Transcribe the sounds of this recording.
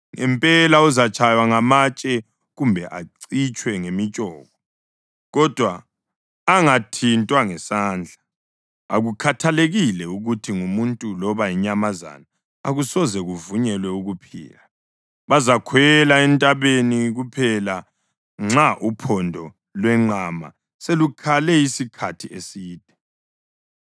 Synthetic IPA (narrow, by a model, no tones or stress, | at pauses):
ŋɛ̰mpʼɛlauzat͡ʃʰʼajwaŋamat͡ʃʼɛ | ɣumbʱɛʔaǀit͡ʃʼwɛŋemit͡ʃʼɔːɣɔ | ɣɔd̥ʱwaː | ŋatʰintʼwaŋɛsaːnd͡ɮʱa | a̰ɣukʰatʰaleɣilɛuɣutʰiŋumuntʼulɔβajiɲamaza̰na | a̰ɣusɔzɛɣuvuɲɛlwɛuɣupʰḭːla | βazakʰwɛlaɛntʼaβeniɣupʰɛla | ŋ͡ǁaʔupʰɔndʱɔ | lwɛŋ͡ǃama̰ | selukʰalɛisikʰatʰiesiːd̥ʱʼɛ̥